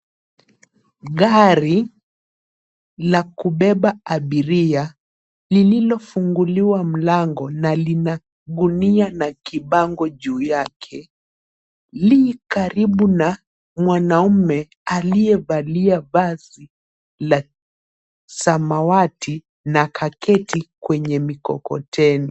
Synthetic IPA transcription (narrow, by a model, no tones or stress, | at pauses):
ɠaɾi | lakuɓɛɓaaɓiɾia | lililɔfuŋɡuliwam̩laŋɡɔnalina | ɠunianakiɓaŋɡɔʄuːjakʰɛ | likaɾiɓuna | mwanaumɛ | aliɛvaliavazi | la | samawatʰi | nakʰakɛtikwɛɲɛmikɔ̰kɔ̰tʰɛni